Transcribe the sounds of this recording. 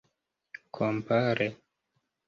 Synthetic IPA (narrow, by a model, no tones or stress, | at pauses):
kʰompaɾe